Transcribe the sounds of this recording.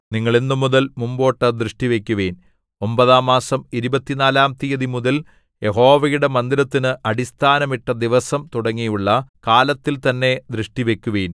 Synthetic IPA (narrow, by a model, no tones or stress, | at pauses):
niŋːɐɭinːɨmuðɐlmumbo̞ːʈːɐd̪ɾɨʂʈiʋekʲːuʋeːn | o̞mbɐðaːmːaːsɐmiɾubɐt̪ːinaːlaːmt̪ijɐðimuðɐl | je̞ɦo̞ːʋɐjuɽe̞mɐnd̪iɾɐt̪ːinɨʔɐɽist̪ʰaːnɐmiʈːɐd̪iʋɐsɐmt̪uɽɐŋːijuɭːɐkaːlɐt̪ːilt̪ɐnːe̞d̪ɾɨʂʈiʋe̞kʲːuʋeːn